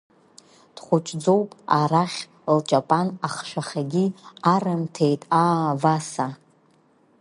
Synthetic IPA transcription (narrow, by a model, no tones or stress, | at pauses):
d̥χʷʊt͡ʃʷʼd͡zowpʼaraχʲ | lt͡ʃʼapʼanaχʃaχʲaɡʲiarɨmtʰejtʼaːvasa